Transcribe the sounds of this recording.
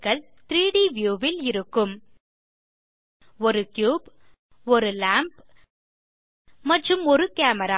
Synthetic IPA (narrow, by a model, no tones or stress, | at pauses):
ɣɐɭ | t̪ɾiːɽiːʋjuːʋɪlɪɾɯkːɯm | ɔɾɯkjuːb | ɔɾɯlaːmp | mɐʈrɯmɔɾɯkaːmɐɾaː